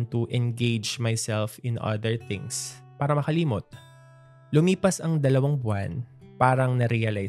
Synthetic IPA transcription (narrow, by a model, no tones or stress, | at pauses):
nt̪uʔɛ̃nɡejd͡ʒmajsɛlfɪ̃nʔɐ̰d̪ɛɹθɪ̰̃ŋs | paːɾɐmɐkɐliːmot̪̚ | lʊmiːpɐsɐŋd̪ɐlɐwaŋbʊa̰n | paːɾɐŋnɐɾiɐlaj